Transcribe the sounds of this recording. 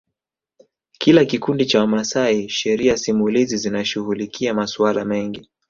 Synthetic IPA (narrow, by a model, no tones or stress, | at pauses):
kʰilakikundit͡ʃawamasaiʃɛɾiasimulizizinaʃuɣulikʰiamaswalamɛŋɡi